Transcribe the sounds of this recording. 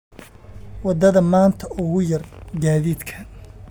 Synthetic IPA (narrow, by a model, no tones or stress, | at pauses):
wɑd̪ɐðɐmaːnt̪ʰɐʔʊɣʊjɐrɡaːðiːd̪kʰɐ